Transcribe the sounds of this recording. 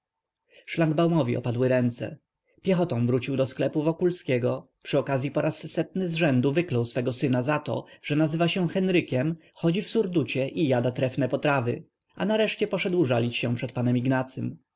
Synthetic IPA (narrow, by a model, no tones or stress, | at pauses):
ʂlaŋɡbawmɔvʲiʔɔ̰pad̪wɘɾɛnt̪sɛ̰ | pʲjɛxɔt̪ɔ̃w̃vɾut͡ɕiwd̪ɔsklɛpuvɔkulskʲɛɡɔ | pʂɘɔkazʲjipɔɾassːɛt̪nɘzʐɛnd̪uvɘklɔwsfɛɡɔsɘnazat̪ɔ̰ʐ̥ɛnazɘvaɕɛ̃xɛnɾɘkʲɛm | xɔd͡ʑifsuɾd̪ut͡ɕɛʔijad̪at̪ɾɛfnɛpɔt̪ɾavɘ̰ | a̰naɾɛʂt͡ɕɛpɔʂɛd̪wʐalʲit͡ɕɕɛ̃pʂɛt̪̚panɛmiɡnat̪sɘm